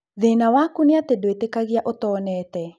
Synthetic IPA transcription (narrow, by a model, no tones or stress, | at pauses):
ðenawakunɪat̪edoetekaɣjaʔot̪ɔːnɛt̪ɛ